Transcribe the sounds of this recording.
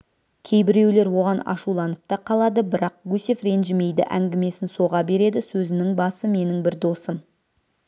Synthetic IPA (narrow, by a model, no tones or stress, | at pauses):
kʲʰe̞jbɪɾe̞wle̞ɾwo̞ʁɑnɑ̰ʃulˠɑnəp̚t̪ɑqʰɑlˠɑd̪əbɪɾɑq̚ɡɵsefre̞nʒɪme̞jd̪ɪ̰ʔæ̰ŋɡʲɪme̞sɪnso̞ʁɑbe̞ɾe̞d̪ɪsɵzɪnɪŋbɑsəme̞nɪŋbɪɾd̪o̞səm